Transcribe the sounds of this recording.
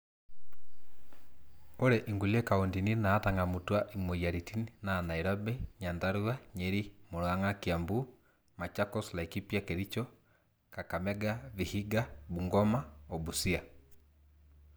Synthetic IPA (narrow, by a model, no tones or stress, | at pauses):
oɾɛʔiŋɡuliɛkaondininaːtaŋɡamutwaʔimojaɾitininanaiɾɔbɛɲandaɾuaɲɛɾimoɾwaŋakiambu | mat͡ʃakɔslaikipjakɛɾit͡ʃɔ | kakamɛɡaβihiɡabuŋɡɔmaobusia